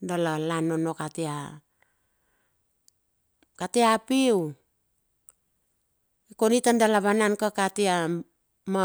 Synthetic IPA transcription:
dalalanonokatia | kateapiw | ikonitandalaβanankakatia | ma

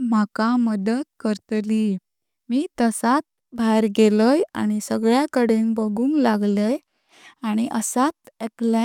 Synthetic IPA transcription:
m̤akaməd̪ət̪kəɾt̪li | miːt̪əsat̪̚ | bʱaɾɡeləja̰ñisəɡɭjakəɽenbəɡuːŋɡlaɡləj | aɽ̃iʔəsat̪ekla

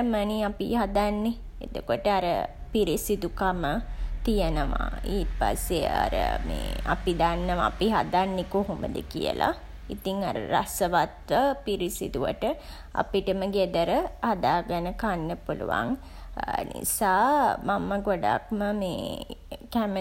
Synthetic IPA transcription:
məniapḭɦad̪anːe | ḛd̪okoʈəaɾə̰piɾisid̪ukamət̪ijənəʋa̰iːpa̰sːea̰ɾə̰mḛːa̰pid̪anːəʋaːpiɦad̪anːekoɦomə̰d̪ə̰kḭjə̰la̰ | it̪iŋaɾə̰ɾa̰səʋat̪ʋəpiɾisid̪uʋə̰ʈə | a̰piʈəməɡed̪əɾəhad̪aːɡənəkanːəpulṵʋa̰ŋ | nḭsaːmaməɡoɖa̰kməmḛːkæmə

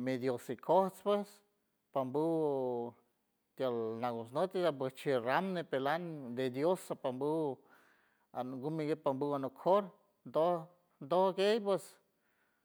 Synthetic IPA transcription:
med̪josikʰoht͡spwes | pambu | t̪jalnaɡosnot̪id̪ap̬west͡ʃiɾamnepeland̪ed̪josapambu | a̰nŋɡumiɡepambuanokʰoɾ | nd̪oh | nd̪ohɡejp̬wes

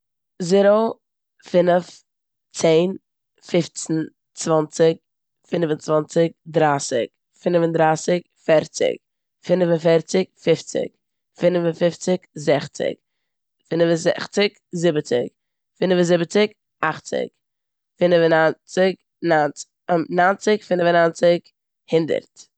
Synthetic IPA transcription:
zɪɾo | fɪnəf | t͡seːn | fɪft͡sn̩ | t͡svɔnt͡sɪk̚ | fɪnvənt͡svɔnt͡sɪk̚dɾaːsɪ̰k | fɪnvəndɾaːsɪk | fɛɾt͡sɪ̰k | fɪnvənfɛɾt͡sɪkfɪft͡sɪ̰k | fɪnvəfɪft͡sɪkzɛχt͡sɪ̰k | fɪnvəzɛχt͡sɪk | zɪbət͡sɪ̰k | fɪnvəzɪbət͡sɪk | aχt͡sɪ̰k | fɪnvənant͡sɪk | nan | nant͡sɪkfɪnvənant͡sɪk | hɪndə̰ɾt

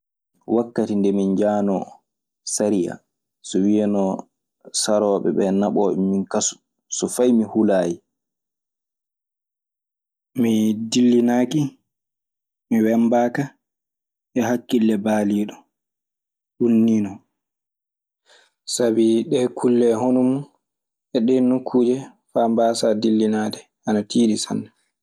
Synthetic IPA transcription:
wakːatindɛmind͡ʒaːnɔ | saɾija̰ | sɔwijɛnɔ | saɾɔːɓɛ̰ɓɛnaɓɔːɓɛ̰minkasu̥ | sɔfajmihulaːji | midilːinaːki | miwɛmbaːka | ʔɛɦakːilːɛbaːliːɗɔ | ɗunːiːnɔ | sabiɗɛkʰulːɛɦonumu | ʔɛɗɛnukʰːuːd͡ʒɛ | fambasadilːinadɛ | ʔanatʰiːɗisa̰nːɛ

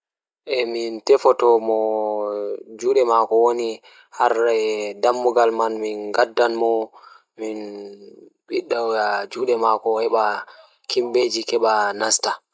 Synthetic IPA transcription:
ʔɛmintɛfɔtɔmɔ | d͡ʒuːɗɛmakɔwoni | haɾɛdamːuɡalmanminɡadːanmɔ | min | ɓiɗːaɡad͡ʒuːɗɛmakɔhɛɓa | kimbed͡ʒikɛɓanasta

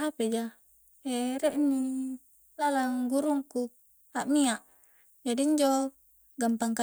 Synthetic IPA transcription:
aped͡ʒa | eɾeʔni | lalaŋɡuɾuŋku | aʔmiaʔ | d͡ʒadiɲd͡ʒo | ɡampaŋka

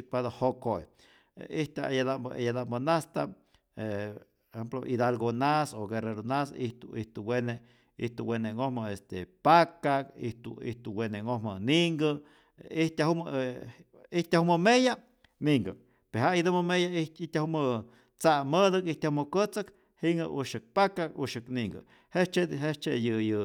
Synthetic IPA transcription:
pad̪ahokoj | iht̪ʲajad̪ajad̪ambonast̪a | e | ehemploʔid̪alɡonasoɡereɾonasḭht̪uiht̪uwene | iht̪uweneŋohməest̪epakakḭht̪ṵḭht̪uweneŋohməniŋɡə | iht̪ʲaɦum | iht̪ʲahuməmeja | niŋɡə | peɦaid̪ɨməmejaiht̪ʲahumə | t͡saməðəkiht̪ahuməkət͡sək | hiŋɡəʔuʃɨk̚pakakuʃɨkniŋɡə̰ | het͡ʃeɦet͡ʃejɨjɨ

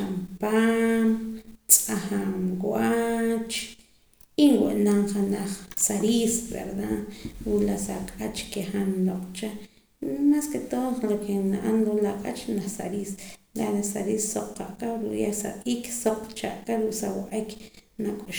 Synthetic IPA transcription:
ampamt͡sʼaxamɡwat͡ʃ | inwuʔnaŋχanaχsaɾisbḛɾd̪aɾulasaqʼat͡ʃkeχanloqʼt͡ʃa | masket̪onlokʰenaʔanɾulaqʼat͡ʃnaχsa̰ɾislalasaɾisːoq͡χqaʔkaɾṵʔjasa̰ʔiːksoq͡χt͡ʃa̰ʔkaɾuʔsawaqʼiknakʼuʃ

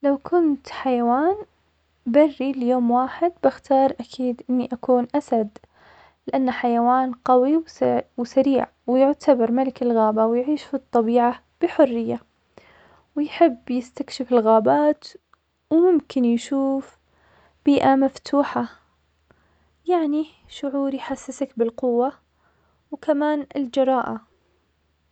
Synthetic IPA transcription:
lawkʊnt̪ħajawaːn | barːiljoːmwaːħɪd̪̚bɪxt̪ʰɑːɾˤʔakʰiːd̪ʔɪnːiʔakuːnʔasad̪ | lɪʔanːaħajawaːnqɑwiwwsaɾiːʕ | wɪjʊʕt̪ʰabɑɾˤmalɪkɪlɣaːbawjʕiːʃfit̪ˤːɑbiːʕa | b̥ɪħʊrːɪjːa | wɪjħɪbːjɪst̪akʃɪfɪlɣaːbaːt̪ | wmʊmkɪnjʃuːf | b̥iːʔamaft̪ʰuːħa | jaʕni | ʃʊʕuːɾjħasːɪsakbɪlqʊwːa | wkamaːnɪ̰ld͡ʒɑɾˤɑːʔa

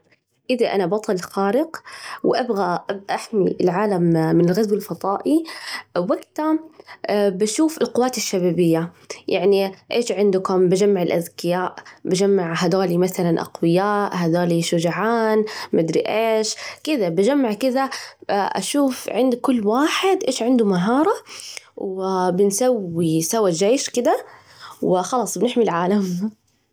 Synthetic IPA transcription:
ʔɪðaʔa̰nabɑt̪ˤɑlxaːɾɪqwʔabɣaʔʔaħmiʔɪlʕaːlamːɪnɪlɣazwɪlfɑðˤɑːʔiwaɡt̪a | baʃuːfɪlqʊwːaːt̪ɪʃːabaːbɪjːa | jaʕniʔeːʃʕɪnd̪ʊkʊmbad͡ʒamːaʕɪlʔaðkɪjaːʔbad͡ʒamːaʕɦad̪aːlimaθalanʔa̰qwɪjaːʔhad̪aːliʃʊd͡ʒaʕaːnbɪd̪ɾḭʔeːʃkɪd̪abad͡ʒamːaʕkɪd̪aʔa̰ʃuːfʕɪnd̪kʊlːwaːħɪd̪ʔeːʃʕɪnd̪umaɦɑːɾˤɑwɪbɪnsawːisawːad͡ʒeːʃkɪd̪a | wɪxɑlɑːsˤbɪnɪħmilʕaːlam

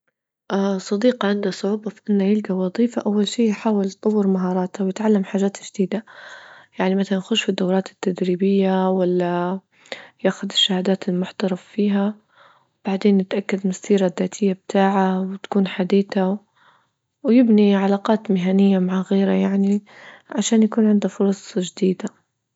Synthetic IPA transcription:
ʔasˤɑd̪iːqɑʕɪnd̪asˤʊʕuːbafiʔɪnːajɪlɡawɑðˤiːfaʔawːalʃiːjħaːwɪlt̪ˤɑwːɪɾmaɦɑːɾˤɑːt̪awjɪt̪ʕalːamħaːʒaːt̪ʒd̪iːd̪a | jaʕnimaθalanxʊʃfid̪ːawɾˤɑːt̪ɪ̥t̪ːad̪ɾiːbɪjːawalːa | jaʔxʊðɪʃːahaːd̪aːt̪ɪlmʊħt̪ɑɾˤɑffiːɦa | wb̥aʕd̪eːnːɪt̪ʔakːad̪masiːɾaðːaːt̪ʰɪjːabt̪ʰaːʕawɪt̪ḁkuːnħad̪iːθa | wjɪbniʕalaːqɑːt̪mɪɦanɪjːamaʕaɣeːɾajaʕniʕaʃaːnjakuːnʕɪnd̪afʊɾˤɑsˤʒd̪iːd̪a

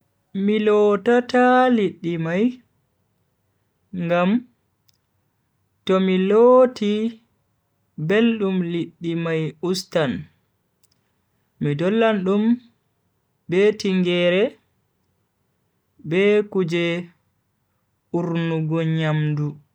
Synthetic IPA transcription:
milɔtataliɗːimaj | ŋɡam | tɔmiloːti | belɗumliɗːimajustan | midɔlːanɗum | bɛtiŋɡɛɾɛ | bɛkud͡ʒɛ | uɾnuɡɔɲamdu

